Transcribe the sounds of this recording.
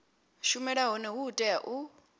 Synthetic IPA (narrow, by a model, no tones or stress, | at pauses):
ʃumɛɺaɦɔnɛɦuːtʼɛaʔu